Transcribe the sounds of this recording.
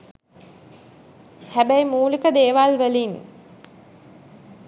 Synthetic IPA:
hæbæjmuːlikəd̪eːʋalʋəlin

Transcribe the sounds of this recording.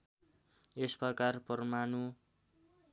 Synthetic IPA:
esprʌkarpʌrmanu

